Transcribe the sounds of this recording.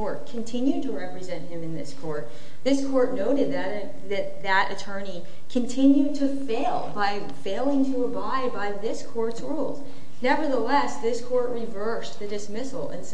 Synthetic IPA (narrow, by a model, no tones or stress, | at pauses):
ɔɹt̚kʰɨ̃ntʰɪ̃njʉd̚tʰɨɹɛpɹɨzɛ̃nʔ̚hɨ̃mɨ̃nðɪskʰɔɹt̪̚ | ðɪskʰɔɹtⁿnoʊɾɨd̪̚ðɨɾɨ | ðɨt̪̚ðɨɾʔɨ̰tʰɜ̃˞ni | kʰɨ̃ntʰɪ̃njʉd̚tʰɨfeɪlˠbaɪ | feɪlˠɪ̃ŋtʰəəbaɪd̚baɪðɪskʰɔɹtsɹulˠz̥ | nɛvə˞ðəlɛsðɪskʰɔɹt̚ɹivɜ˞sðɨdɨsmɪsl̩ˠə̰̃ns